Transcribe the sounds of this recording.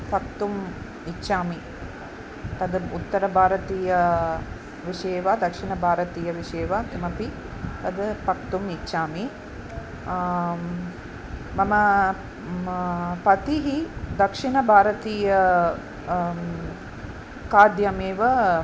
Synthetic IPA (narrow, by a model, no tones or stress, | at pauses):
pɐk̚t̪um | itːʃaːmi | t̪ɐd̪ut̪ːɐɾɐbʱaːɾɐt̪iːjɐ | ʋiʂeːʋad̪ɐkʂiɳɐbʱaːɾɐt̪iːjɐʋiʂeːʋat̪ɐmɐpi | t̪ɐd̪ɨpɐk̚t̪umitːʃaːmi | mɐmɐ | pɐt̪iɦid̪ɐkʂiɳɐbʱaːɾɐt̪iːjɐ | kaːd̪jɐmeːʋɐ